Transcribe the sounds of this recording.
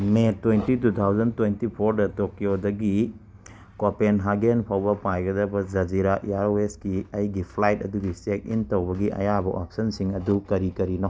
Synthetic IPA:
metwejntitut̪ʰawzɐntwejntipʰoɾdɐtokiodɐɡi | kopenɦaɡenpʰawbɐpajɡɐdɐbɐd͡ʒɐd͡ʒiɾaʔiaɾweskiɐjɡipʰlajt̚ɐduɡisek̚ḭntɐwbɐɡiɐ̰jabɐʔop̚sɐnsiŋɐdukɐɾikɐɾinɐ

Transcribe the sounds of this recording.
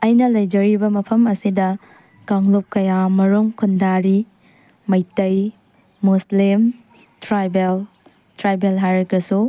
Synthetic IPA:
ɐjnɐlɐjd͡ʒɐɾibɐmɐpʰɐmɐsidɐ | kaŋlup̚kɐjamɐɾuŋkʰundaɾi | mɐjtɐj | muslim | tɾajbel | tɾajbelɦajɾɐkɾɐsu

